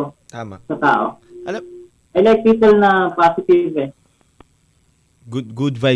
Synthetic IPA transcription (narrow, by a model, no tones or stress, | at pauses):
t̪asɐt̪a̰ːʔo̰ | ʔɛlɛk̚t̪ɾɪkɐlnɐpasɪt̪ɪvɛ | ɡʊd̪ɡʊd̪va